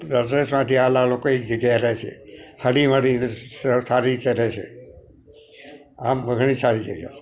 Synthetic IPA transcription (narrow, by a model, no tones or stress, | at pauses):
ɾəzɾesmãt̪ʰialalokoed͡ʒəɡjaɾɛt͡ʃʰḛhəɽiməɽinessaɾit͡ʃeɾɛt͡ʃʰḛ | amːəɡɳ̃isaɾid͡ʒə̰d͡ʒa̰se̥